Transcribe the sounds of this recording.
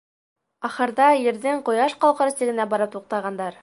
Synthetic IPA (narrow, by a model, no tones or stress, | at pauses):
ɑχɤ̆ɾðɑjɘ̆ɾðɘɴqŏjɑʃqɑlˠqɤ̆ɾɤ̆sɘ̆ɡɘ̆næbɒɾɤp̚t̪uq̚t̪ɑʁɑnd̪ɑɾ